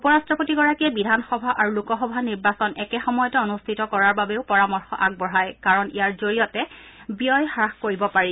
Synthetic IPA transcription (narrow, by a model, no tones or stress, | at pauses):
upɔɹastɹɔpotiɡɔɹakiɛbidʱanxɔbʱaʔaɹulukɔxɔbʱaniɹbasɔnɛkɛxɔmɔjɔtɛonustʰitɔkɔɹaɹbabeʊpɔɹamɔɹxɔ̰ʔaɡ̚bɔɹajkaɹɔnijaɹzoɹijɔtɛbijɔjxaxkoɹibɔpaɹi